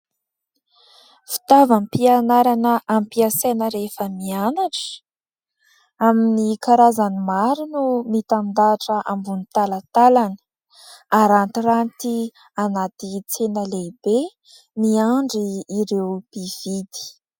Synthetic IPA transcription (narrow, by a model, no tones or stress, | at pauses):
fi̥t̪avampianaɾanəampiasenəɾefəmianaʈ͡ʂə̥ | aminikaɾazanimaɾinumit̪amind̪aʈ͡ʂəʔambunit̪alat̪alanə̥ | aɾant̪irant̪i | anat̪it͡senəlebe | miaɳɖ͡ʐiːɾewb̥iv̥id̪i̥